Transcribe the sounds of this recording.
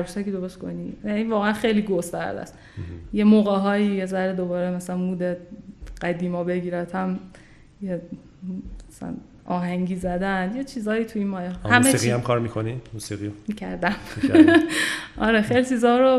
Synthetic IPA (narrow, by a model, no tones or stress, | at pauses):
æɾusækiːd̪obesko̰nijæniːvɒːɣeænxejliːɡost̪æ̰ɾd̪æ̰s | jemoːɣeɦɒːjiːjezæɾed̪o̞bɒːɾemæsælænmuːd̪eɢ̥æd̪iːmɒːbe̞ɡiːɾæt̪ʰhæm | je | sælæ̰n | ʔɒːɦæŋɟiːzæd̪ænjet͡ʃʰiːzɒːjiːt̪ʰuiːnmɒːjɛhæmesiɣiæmkʰɒːɾmikʰonimuːsiɣiomicʰæɾd̪æm | ʔɒɾexejlit͡ʃʰiːzɒːɾo